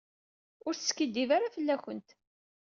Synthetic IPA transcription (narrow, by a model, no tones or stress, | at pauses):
ʊɾθə̥skid̪ːivaɾafəlːæçənt̪